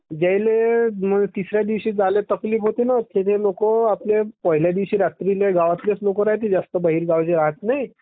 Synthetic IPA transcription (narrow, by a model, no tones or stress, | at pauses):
d͡ʑajlem̤əɡt̪isɾjad̪iʋɕiːd͡zalet̪əkliːfɦot̪enat̪ʰet̪ʰelokoaplepəɦiljad̪iʋɕiːɾat̪ɾileɡaʋat̪ljet͡slokoɾaɦt̪̬id͡zast̪əbəɦiːɾɡaʋd͡ʑeɾaɦət̪nai